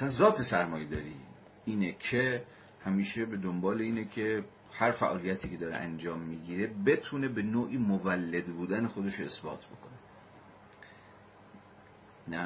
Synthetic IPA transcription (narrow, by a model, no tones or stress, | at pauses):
ʔæsænzɒːt̪ʰe̞sæɾmɒːjed̪ɒ̰ːɾiː | iːnecʰe | hæmiːʃe̞be̞d̪ombɒːleiːnecʰe̞ | hæɾfæ̰ʔɒːlijæt̪ʰiːcʰe̞d̪ɒːɾeʔænd͡ʒɒːmːiːɟiːɾe̞be̞t̪ʰune̞be̞noːʔiːmovælːed̪buːd̪ænexod̪e̞ʃoe̞sbɒ̰ːt̪ʰbo̞kʰone | næ